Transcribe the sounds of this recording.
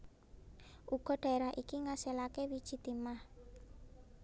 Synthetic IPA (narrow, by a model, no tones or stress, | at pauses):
ʔuɡ̥ɔ̤ɖ̥a̤eɾahʔikiŋaselakewid̥ʒ̥i̤t̪imah